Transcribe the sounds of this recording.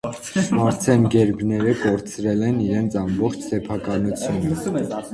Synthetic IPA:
mɑɾt͡sʰɛnɡɛɾbnɛɾəkɔɾt͡sʰɾɛlɛniɾɛnt͡sʰɑmbɔχt͡ʃʰsɛpʰɑkɑnut͡sʰjunə

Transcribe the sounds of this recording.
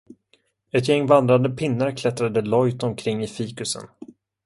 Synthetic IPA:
ɛt̪jɛŋːvand̪ɾand̪əpʰɪnːaɾkʰlɛt̪ɾad̪əlɔjt̪ɔmkʰɾɪŋːɪfiːkɵsə̰n

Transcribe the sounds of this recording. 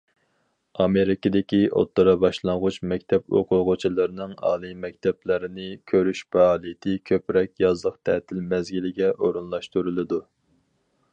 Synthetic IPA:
ɑmeɾɪkʲɪd̪ɪkʲiʔo̰t̪ːɨɾɑbɑʃlˠɑɴʁʊt͡ʃmɛkʲt̪ʰɛpo̰qʰʊʁʊt͡ʃʰilˠɨɾɨnɨŋɑ̰ːlˠɨmɛk̚ʲt̪ʰɛplɪɾɪnɪkʲʰøɾyʃpɛɑːlˠit̪ʰɪkʲʰøpɾɛkʲjɑzlˠəqt̪ʰɛt̪ʰɪlmɛzɡʲilɪɡʲɛʔoɾunlˠɑʃt̪uɾɨlˠɨd̪u

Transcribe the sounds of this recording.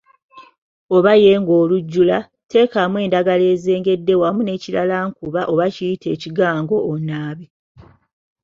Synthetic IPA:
o̞βajeːŋɡo̞ːluɟːula | te̞ːkamwe̞ːndaɡale̞ːze̞ːŋɡe̞dːe̞wamune̞ːcilalaːŋkuβaʔo̞βacijitʰe̞ːciɡaːŋɡo̞ːnaːβi

